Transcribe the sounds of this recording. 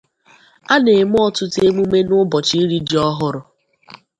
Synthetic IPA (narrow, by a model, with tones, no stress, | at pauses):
a˦ne˨m˦ɔ˦tʊ˦te˦mu˦me˦nʊ˦bɔ˨t͡ʃi˦ɾi˦di˨˦ɔ˦ɦʊ˦ɾʊ˦